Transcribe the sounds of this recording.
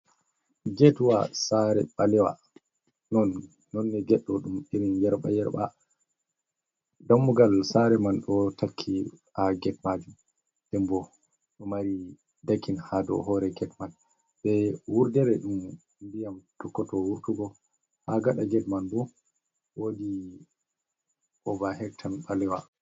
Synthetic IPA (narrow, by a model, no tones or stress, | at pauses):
ɡɛtwa̰saɾɛ̰ɓalɛwa̰ | nɔnː | ɔnːɛɡɛɗːɔɗumeɾinjɛɾɓa̰jɛɾɓa̰ | damːuɡalsaɾɛmanɗɔtakʰːiaɡɛtmad͡ʒum | ɗɛmbɔ | ɗɔmaɾi | dakːinhadɔ̰ɦɔɾɛɡɛtman | bɛwuɾdɛɾɛɗum | mbijamtɔkːɔtɔwuɾtuɡɔ | haɡaɗaɡɛtmanbɔ | wodi | ʔɔvaɦɛktʰanɓalɛwa